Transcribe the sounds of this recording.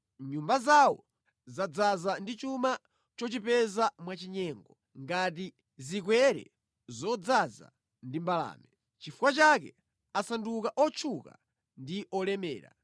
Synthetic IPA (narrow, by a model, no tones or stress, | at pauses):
ɲumbazawɔ̰ | zad͡zazandit͡ʃuma | t͡ʃɔt͡ʃipɛzamwat͡ʃiɲɛːŋɡɔ | ŋɡat̬i | zikwɛɾɛ̰ | zɔd͡zaza̰ | ndimbala̰ːmɛ | t͡ʃifukwat͡ʃakɛ̰ | asandukaʔɔt͡ʃʰuka̰ | ndiʔɔlɛmɛ̰ːɾa̰